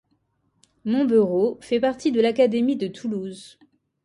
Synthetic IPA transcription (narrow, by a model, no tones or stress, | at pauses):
mɔ̃byʁofɛpaʁt̪id̪əlakad̪emid̪ət̪ʰuluz